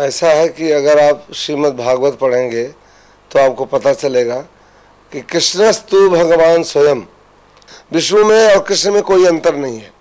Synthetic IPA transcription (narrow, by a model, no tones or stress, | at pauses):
ɛːsaɦɛkiɐɡəɾaːpʃiːmət̪̚bʱaːɡʋət̪̚pɐɽ̤ẽːŋɡe | t̪oaːp̚kopɐt̪at͡ʃɐleːɡa | kikɾɪʃnəst̪ubʱɐɡəʋaːnswɐjəm | ʋɪʃʋumẽɔːɾkɾɪʃnmẽkoːiɐ̃nt̪əɾnɐɦĩɦɛː